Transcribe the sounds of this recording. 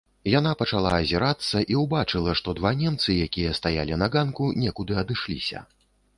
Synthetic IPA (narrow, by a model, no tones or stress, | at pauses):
janapɐt͡ʂalˠaːzʲiɾat̪sːɐʔiwbat͡ʂɨlˠɐʂt̪ɔd̪vanʲɛmt̪sɨjakʲijɐst̪aja̰lʲinɐɡankunʲɛkud̪ɨɐd̪ɨʂlʲḭsʲɐ̰